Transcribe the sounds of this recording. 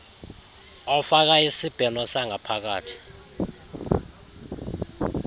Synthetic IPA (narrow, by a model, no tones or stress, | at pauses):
ɔfak̬aisib̥ʱɛnɔsaŋapʰak̬a̰ːtʰi̥